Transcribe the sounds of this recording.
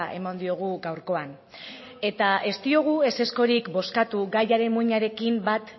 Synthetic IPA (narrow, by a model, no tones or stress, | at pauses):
e̞̰mand̪io̞ɣ̞uɣawɾko̞an | e̞t̪aʔe̞st̪io̞ɣ̞ue̞se̞sko̞ɾikbo̞skat̪uɣajaɾe̞muɲaɾe̞kimbat̪